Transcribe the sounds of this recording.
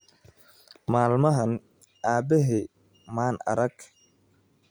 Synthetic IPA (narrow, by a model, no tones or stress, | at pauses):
maːlmɐɦɐn | ʔaːbɛɦɛ | maːnɐ̰ɾɐɡ̥